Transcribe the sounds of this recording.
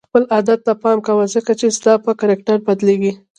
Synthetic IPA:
xpəlʔɑd̪at̪ːapɑmkawəzəkat͡ʃezd̪ɑpəkaɾɪk̚ʈaɾbad̪leɡi

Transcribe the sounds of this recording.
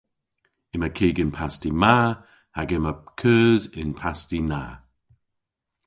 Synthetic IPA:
ɪməkʰiːɡɪnpʰastimaː | haɡɪməkʰəːzɪnpʰastina̰ː

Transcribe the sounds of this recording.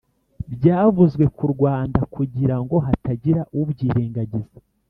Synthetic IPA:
bɟaːvuzɡwe̞kʰuɾɡwaːndakʰuɟiɾaŋɡo̞ɦataɟiɾaʔubɟiːɾeːŋɡaɟize

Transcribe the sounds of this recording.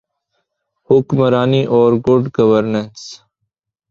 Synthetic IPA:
hʊkməɾaːniːʔɔːɾɡʊɖɡəʋəɾnəns

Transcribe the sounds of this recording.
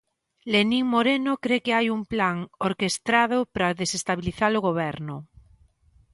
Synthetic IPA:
leniŋmoɾenokɾekeajumplaŋoɾkest̪ɾað̞ʊpɾaðesest̪aβiliθaloɣ̞oβ̞ɛɾnʊ

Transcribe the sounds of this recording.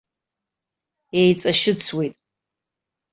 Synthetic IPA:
ejt͡sʼaʃɪt͡sʰwejtʼ

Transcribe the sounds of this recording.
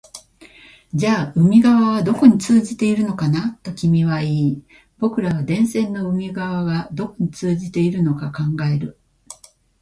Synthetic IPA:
d͡ʑaːɯ̟mʲiɡaβaβ̞ad̪o̞ko̞ɲ̟it͡sɨːʑit̪e̞iɾɯ̟no̞kanat̪ːo̞kʲimʲiβ̞aiː | b̥o̞kɯ̟ɾaβad̪ẽ̞ɰ̃sẽ̞nːo̞ɯ̟mʲiɡaβaɡad̪o̞ko̞ɲ̟it͡sɨːʑit̪e̞iɾɯ̟no̞kakãŋɡae̞ɾɯ̟

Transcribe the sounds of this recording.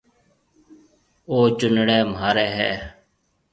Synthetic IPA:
oːt͡ʃʊnɽeːmɦaːɾeːɦɛ̰ː

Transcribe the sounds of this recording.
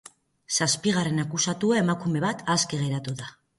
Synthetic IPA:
saspiɣ̞are̞nakusat̪uae̞makume̞βat̪ʰaskeɣ̞e̞ɾat̪uða

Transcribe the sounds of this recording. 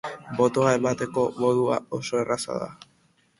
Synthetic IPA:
bo̞t̪o̞ae̞mat̪e̞ko̞moðua̰o̞so̞e̞rasa̰ða̰

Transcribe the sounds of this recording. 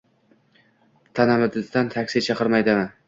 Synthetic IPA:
t̪ʰanamɪd̪ɪst̪ant̪ʰakʲsijt͡ʃʰɑqɨɾmajd̪ɪmɪ

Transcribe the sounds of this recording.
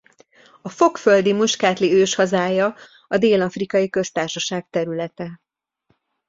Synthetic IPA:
ɒfo̞kføld̪imuʃkaːt̪liøːʃhɒzaːjɒ | ɒd̪eːlɒfrikɒjikø̞st̪aːrʃɒʃaːk̚t̪ɛɾylɛt̪ɛ

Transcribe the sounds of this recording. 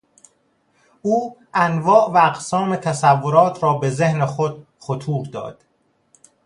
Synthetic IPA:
ʔuːʔænvɒːʔvææqsɒːme̞t̪ʰæsævːoɾɒːt̪ʰɾɒːbe̞zehnexod̪̥̚ | xo̞t̪ʰuːɾd̪ɒ̰ːd̪̥

